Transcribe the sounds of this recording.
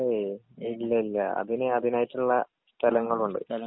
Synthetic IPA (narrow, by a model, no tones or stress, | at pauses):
e | ilːɐilːɐɐ̰ðinɨɐðinaːjitːuɭːɐ | st̪ʰɐlɐŋːɐɭuɳɖɨ̰